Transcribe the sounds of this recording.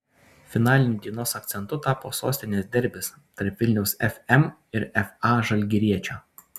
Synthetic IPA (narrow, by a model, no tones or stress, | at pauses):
fʲɪnɑːlʲɪnʲʊd̪ʲiɛnoːsɐk̚t̪sʲɛnt̪ʊt̪ɑːpoːso̰ːsʲt̪ʲɪnʲeːsd̪ʲɛɾʲˑbʲɪs | t̪ɐɾpʋʲɪlʲnʲɛʊsɛfʲɛmɪɾɛfɑːʒɐlʲɡʲɪɾʲiɛt͡ʃʲoː